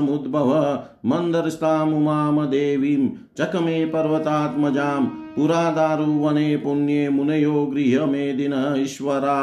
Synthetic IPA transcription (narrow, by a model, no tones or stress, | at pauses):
ɐmud̪bʱɐʋɐ | mɐnd̪ɐɾist̪aːmumaːmɐd̪eːʋiːm | t͡ʃɐkɐmeːpɐɾʋɐt̪aːt̪mɐd͡ʒaːmpuɾaːd̪aːɾuːʋɐneːpunjeːmunɐjoːɡɾiːɦɐmeːd̪inɐiʃʋɐɾaː